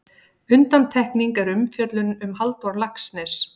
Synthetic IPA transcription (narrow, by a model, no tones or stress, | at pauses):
ʏnt̪ant̪ʰɛhkniŋkɛɾʏmfjœt̪lʏnʏmɦalt̪ɔɾlaksnɛs